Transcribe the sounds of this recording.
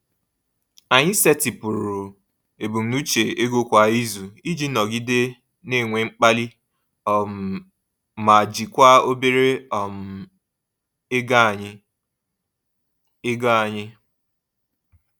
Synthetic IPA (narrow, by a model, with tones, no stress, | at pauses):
a˨ɲɪ˦se˦tɪ˨pʊ˨ɾu˨ | e˨bu˨n̩˨nu˦t͡ʃe˨e˦ɡo˦kʷa˨i˦zu˨i˦d͡ʒi˦nɔ˨ɡi˦de˦ | ne˦˨ŋʷe˨ŋ͡m̩˦k͡pa˦li˦ | ɔ˨m˨ | ma˨a˨d͡ʒi˨kʷa˦o˦be˦ɾe˦ɔ˨m˨ | ɪ˦ɡa˦˨ɲɪ˦ | ɪ˦ɡa˦˨ɲɪ˦